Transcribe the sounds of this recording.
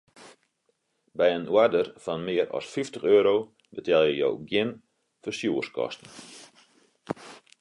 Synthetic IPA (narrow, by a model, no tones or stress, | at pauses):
bɛjənwadərfɔnmɪəɾɔ̰sfiftəxøːɾo | bətɛlˠjəjo̰wɡjɪn | fəsjuːəskʰɔ̰stn̩